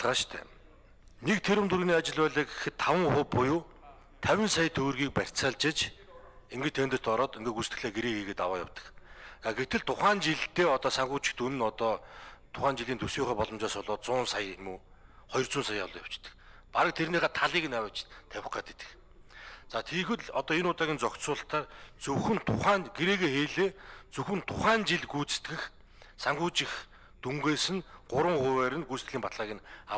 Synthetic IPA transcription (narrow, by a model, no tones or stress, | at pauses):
ɮʁaːʃt̪ʰæ̰ː | nekt̪ʰeɾɵ̆mt̪ʰuɾɣniːat͡ɕɪ̆ɮpæːɮiːɡexɘ̆t̪ʰːawə̆ŋχʊpːʊjuː | t̪ʰæwʲɪ̆nsajt̪ʰːɵɣɵ̆rɣiːk̚pær̥ʲt͡saːɮt͡ɕɪ̆t͡ɕ | eŋɡɘ̆t͡ɕt̪ʰent̪ɘr̥t̪ɔɾɔːt̪iŋɡĕːkust̪ɘ̥̆ɮeːɡeɾeːɣiːɣeːt̪awaːja̰wt̪ə̥̆kaɡet̪ɘ̆ɮt̪ʰʊχaːnt͡ɕiɮt̪eːɔt̪ɔːsaŋɡuːt͡ɕɪ̥̆xt̪unɘ̆nɔt̪ɔːt̪ʰʊχaːnt͡ɕiɮiːnt̪ʰɵsjuːχæːpɔɮɞ̆mt͡ɕɔːsʊɮʊːt̪t͡sʊːnsajmuːχɔjɞ̆rt͡sʊːnsajːa̰wɮʊjaw̥t͡ɕt̪ə̥̆k | paɾə̆k̚t̪ʰerniːχaːt̪ʰaɮiːɣɘ̆nawə̆ːt͡ɕt̪ʰæwɪ̆χɡaːt̪et̪ɘ̆k | t͡saːt̪ʰiːxɘ̆ɮɔt̪ɔːinʊːt̪aːɣʲiːnt͡sɔksʊːɬt̪ʰːaːrt͡sɵxɘ̆nt̪ʰʊχæːnɡeɾeːɣeːxeːɮeːt͡sɵxɘ̆nt̪ʰʊχæːnt͡ɕiɮɡuːt͡sɘ̥̆t̪ɡɘ̆x | saŋɢʊːt͡ɕɪ̆x | t̪ʰuŋɡeːsɘ̆nɢ̥ʊɾwə̆ŋχʊjwæːɾɘ̆nɡust̪ɮiːmpat̪ɮaːɣʲiːna